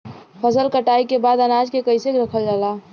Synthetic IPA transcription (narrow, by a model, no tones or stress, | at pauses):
pʰəsəlkəʈaikebad̪ənad͡ʒkekəɪsekɾəkʰəld͡ʒaːla